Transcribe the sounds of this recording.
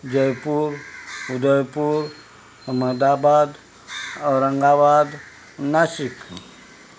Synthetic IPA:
d͡ʒəjpuɾud̪əjpuɾ | əməd̪abad̪ | ɔɾəŋɡawad̪ | nasik

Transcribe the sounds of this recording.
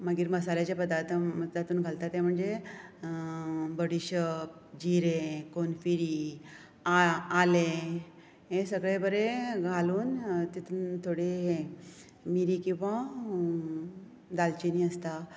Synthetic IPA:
maɡiːɾməsaljat͡ɕapəd̪aɾt̪ʰməd̪at̪uːnɡʱalt̪at̪ẽm̤əɳd͡ze | bəɽiɕəp̚ | d͡ʑiɾẽkonfiɾi | aale | ɦesəɡɭebəɾeɡʱaluːnt̪it̪unt̪ʰoɽeɦe | miɾikĩw̃ʋa | d̪alt͡ɕiniːəst̪a

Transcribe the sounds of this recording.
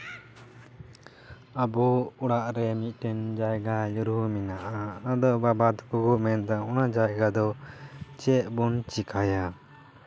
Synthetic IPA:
abɔuɽaʔɾɛmit̪̚ˀʈɛnd͡ʒajɡajuɾuminaʔanad̪ɔbabad̪kuɡumɛnd̪aɔnad͡ʒajɡad̪ɔt͡ʃɛʔ̚bɔnt͡ʃikʰaja

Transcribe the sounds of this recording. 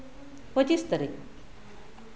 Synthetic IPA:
pət͡ɕist̪əɾik

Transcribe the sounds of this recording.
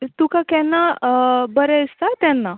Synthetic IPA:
t̪ukakɛnːabəɾɛist̪at̪ɛnːa

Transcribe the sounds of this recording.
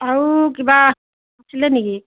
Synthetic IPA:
awkiba | asilɛniki

